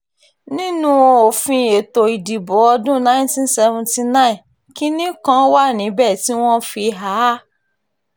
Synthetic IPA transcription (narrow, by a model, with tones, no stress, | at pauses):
nĩ˦nũ˦o˧o˨fĩ˧e˨to˧i˨di˨bɔ˨˦ɔ˧dũ˦nã˦ĩ˦n˦tĩ˦n˦sɛ˧vũ˧nti˧nã˦˨ĩ˨ | ki˦nĩ˦kã˦wa˦˨nĩ˨˦bɛ˦˨ti˨˦w̃ɔ̃˦fi˧ɦa˨˦